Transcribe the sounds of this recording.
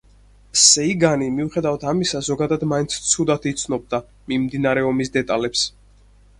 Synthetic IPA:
sɛiɡanimiuχɛd̪avat̪ʰamisazɔɡad̪ad̪maint̪sʰt̪sʰud̪at̪ʰit̪sʰnɔb̚d̪a | mimd̪inaɾɛɔmisd̪ɛt̪ʼalɛps

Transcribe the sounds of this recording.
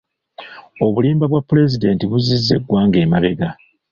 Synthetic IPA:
o̞βuliːmbaβwapːule̞zide̞ntiβuzizːe̞̰ɡwaːŋɡe̞ːmaβe̞ɡa

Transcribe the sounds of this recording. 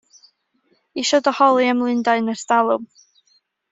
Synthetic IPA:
iʃɔdɔhɔlˠiəmlˠɨndaɨnərstalˠʊm

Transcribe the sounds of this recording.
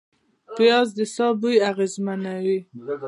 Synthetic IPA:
pjɑzd̪əsɑbujaɣezmanawi

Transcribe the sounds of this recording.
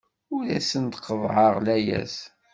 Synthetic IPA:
ʊɾæsənt̪qːəvʕəʁlæjæ̰s

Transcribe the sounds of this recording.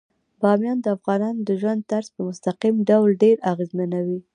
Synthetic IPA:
bɑmjɑnd̪əafɣɑnɑnod̪əʒwand̪̚t̪aɾz̥pəmʊst̪aqimɖawlɖeɾaɣezmanawi

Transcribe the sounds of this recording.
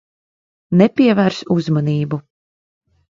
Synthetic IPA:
nɛpʲiɛvæɾsuzmaniːbu

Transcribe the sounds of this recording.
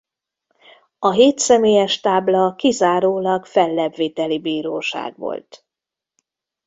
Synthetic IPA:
ɒɦeːt̪sɛmeːjɛʃt̪aːblɒkizaːɾoːlɒɡfɛlːɛbveːt̪ɛlibiːɾoːʃa̰ːɡʋo̰lt̪

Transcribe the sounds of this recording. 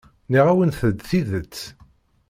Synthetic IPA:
niʁæwənθəd̪θiðət͡sː

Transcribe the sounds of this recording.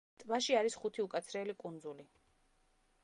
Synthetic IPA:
t̪ʼvaʃiaɾisχut̪ʰiukʼat̪sʰɾɛlikʼund̪zuli

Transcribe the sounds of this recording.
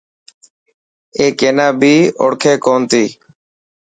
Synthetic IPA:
eːkeːnaːbiːo̰ɽkʰeːkoːnt̪iː

